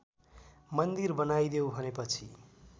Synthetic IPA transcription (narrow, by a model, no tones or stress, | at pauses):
mʌnd̪irbʌnajd̪ewbʱʌnepʌt͡sʰi